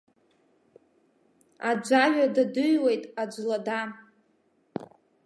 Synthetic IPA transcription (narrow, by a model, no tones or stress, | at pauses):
ad͡ʒʷaʒʷᶣadadɨɥwejtʼad͡ʒʷlada